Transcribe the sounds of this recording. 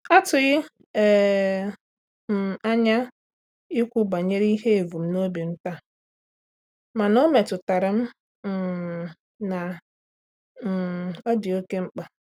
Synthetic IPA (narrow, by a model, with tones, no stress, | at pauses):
a˦tʊ˨ɣɪ˦˨ | a˦ɲa˦ | ɪ˦kʷʊ˦ba˨ɲe˦ɾi˦ɦe˦e˨vu˨m̩˦no˦bi˨n̩˦ta˦ | ma˨no˦me˨tʊ˨ta˨ɾɪ˨m̩˦˨ | na˨ | ɔ˦di˨o˦ke˦ŋ͡m̩˦k͡pa˨